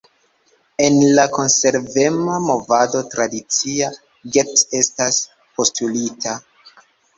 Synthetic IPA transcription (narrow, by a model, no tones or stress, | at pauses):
e̞nlako̞nse̞ɾve̞mamo̞vado̞tɾadit͡sia | ɡe̞te̞stas | po̞stulitʰa